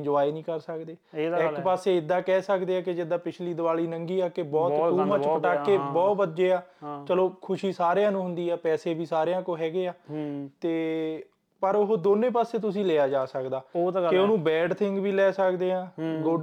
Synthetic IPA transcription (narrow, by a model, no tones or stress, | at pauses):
d͡ʒʊʋaːinĩːkəɾsəkd̪eːɪkpaːseːɪd̪ːãːkɛːsəkd̪eːɛːkɪd͡ʒɪd̪ãːpɪt͡ʃʰliːd̪əʋaːliːnəŋɡiːaːkebɔːt̪ːuːmãːt͡ʃakːeːbɔːt̪ʋədd͡ʒeːaːt͡ʃəloːkʰʊʃiːsaːɾejãːnũːɦʊnd̪iːɛːpɛːseːbʱiːsaːɾejãːkoːɦɛːɡeːaːt̪eː | pəɾʊɦoːd̪oːnẽːpaːseːt̪̬ʊs̬ĩːleːaːd͡ʒaːsəkd̪aːot̪ːkeoːnũːbɛːɖt̪ʰɪŋɡʋiːlɛːsəkd̪eːãːɡo